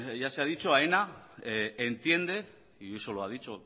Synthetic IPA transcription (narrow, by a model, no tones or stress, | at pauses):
ʝaseaðit͡ʃoaena | ent̪je̞nd̪e̞ | iesoloað̞it͡ʃo